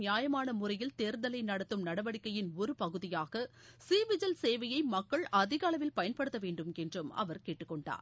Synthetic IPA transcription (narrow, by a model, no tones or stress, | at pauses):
nɪjaːjɐmaːnɐmʊrɐjɪlt̪eːɾd̪ɐlɐɪnɐɽɐt̪ːɯmnɐɽɐʋɐɽɪkːɐjɪnɔɾɯpɐɣɯðɪjaːɣɐ | siːʋɪd͡ʒɐlseːʋɐjɐɪmɐkːɐɭʔɐðɪɣaːlɐʋɪlpɐjɐnpɐɽɯt̪ːɐʋeːɳɖɯmɛndrɯmɐ̰ʋɐɾkeːʈːɯkːɔɳɖa̰ːɾ